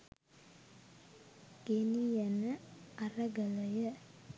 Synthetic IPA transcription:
ɡ̥enijɛnəarəɡələjə

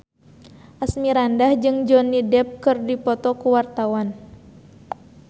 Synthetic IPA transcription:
ʔasmiɾandahd͡ʒɨŋd͡ʒɔnːidɛp̚kɨrdipɔt̪ɔkuwart̪awan

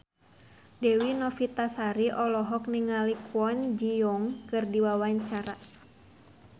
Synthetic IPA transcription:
dɛwinɔfit̪asaɾiʔɔlɔɦɔk̚niŋalikwɔnd͡ʒijɔŋkɨrdiwawaɲt͡ʃaɾa

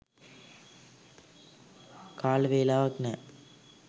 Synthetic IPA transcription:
kaːlʋeːlaːʋɐknɛ

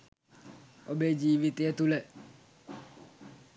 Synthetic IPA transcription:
ɔbɛd͡ʒiʋit̪ɪɛt̪ulɛ

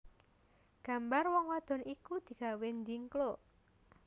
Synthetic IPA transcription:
ɡ̥a̤mbarwɔŋwad̪̥ɔ̤nikud̪̥i̤ɡ̥a̤wɛndiŋklo

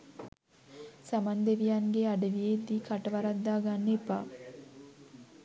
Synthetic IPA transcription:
samand̪eʋijaŋɡeaɖəʋijed̪iːkʰaʈəʋaɾad̪ːaːɡanːepaː

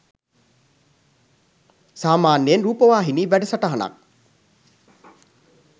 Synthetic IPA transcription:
saːmaːnːijenɾuːpəʋaːɦiniːʋæɖəsaʈaɦana̰k̚

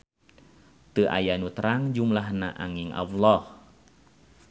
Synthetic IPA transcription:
t̪ɨʔa̰janut̪ɾaŋd͡ʒumlahnaʔa̰ŋiŋʔa̰wlɔh

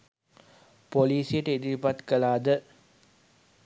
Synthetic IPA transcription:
poliːsijəʈəid̪iʋipat̪kəlaːd̪ə

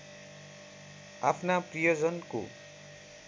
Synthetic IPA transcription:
apʰnaprijod͡zʌnko̰

